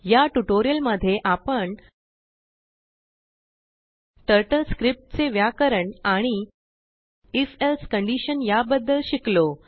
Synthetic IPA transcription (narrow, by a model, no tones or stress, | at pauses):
jaʈuʈoɾijəlməd̪ʱːjeʔapəɳ | ʈəɾʈəlskɾip̚ʈt͡seʋjakəɾəɳaɽ̃i | ifelskəɳɖiɕənjabəd̪ːəlɕiklo